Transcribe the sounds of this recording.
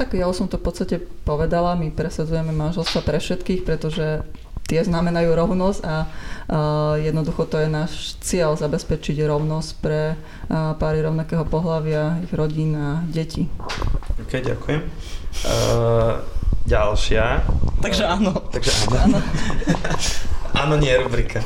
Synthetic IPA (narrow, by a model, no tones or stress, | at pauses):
t̪akjausɔmt̪ɔfpɔt̪st̪acɛpɔʋɛd̪alamipɾɛsad͡zujɛmɛmanʒɛlst̪ʋapɾɛfʃɛt̪kiːxpɾɛt̪ɔʒɛ | t̪ɪɛznamɛnajuːɾɔʊnɔzca | jɛd̪nɔd̪uxɔt̪ɔjɛnaːʃt͡sɪɛʎzabɛspɛt͡ʃiɟɾɔʊnɔscpɾɛ | paːɾiɾɔʊnakɛːɦɔpɔɦlaʋɪaiɣɾɔɟiːnaɟɛcʰi | ɔkɛjɟa̰kujɛm | ɟalʃɪat̪aɡʒɛaːnɔt̪aɡʒɛʔa̰ːnː | ʔa̰ːnɔɲɪɛɾubɾikʰa